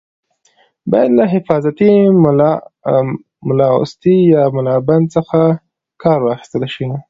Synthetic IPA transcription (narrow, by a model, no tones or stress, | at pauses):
bɑjad̪laɦɪfɑzat̪i | mʊlɑʊ̰st̪ijɑmʊlɑband̪̚t͡səxa | kɑɾwɑxi̥st̪əlʃi